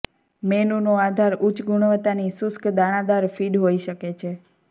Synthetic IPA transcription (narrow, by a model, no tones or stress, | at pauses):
menunoad̪ʱaɾut͡ʃɡuɳ̃ʋət̪anisʊskd̪aɽ̃ãd̪aɾfiɖɦoiʃəket͡ʃʰe